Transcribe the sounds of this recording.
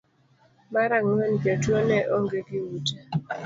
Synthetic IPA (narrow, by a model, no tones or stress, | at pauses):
maɾaŋɛnpjatuɔnɛʔɔŋɡeɡɪwuta